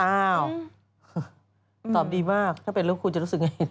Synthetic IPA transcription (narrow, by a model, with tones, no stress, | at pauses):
aː˧˩w | t̪ɔː˨˩m̚diː˧maː˥˩k̚t̪ʰaː˥˩pe˧lɯ˥˦kʰuː˧t͡ɕa˨˩ɾuː˦˥sɯ˨˩k̚ŋa˧j